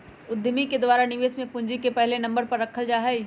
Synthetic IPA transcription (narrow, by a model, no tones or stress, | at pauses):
ʊd̪ʱːmiked̪waːɾanɪʋeːsmẽpʊ̃ɲd͡ʒikepɛɦlenɐ̃mbəɾpɐɾːɐkʰəld͡ʒaːɦɛi